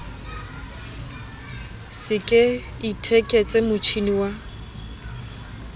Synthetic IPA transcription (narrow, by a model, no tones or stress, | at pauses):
sɪkʼɪ | itʰekʼet͡sʼɛmʊt͡ʃʰiniwa